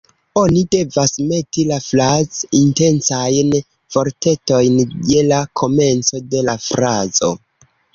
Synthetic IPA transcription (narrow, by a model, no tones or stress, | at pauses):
o̞nide̞vasme̞tilaflazinte̞nsajn | v̥o̞ɾte̞to̞jnje̞lakʰo̞me̞nt͡so̞de̞lafɾazo̞̰